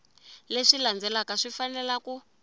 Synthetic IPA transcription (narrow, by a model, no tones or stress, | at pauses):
leʂiland͡zɛlakaʂifanɛlaku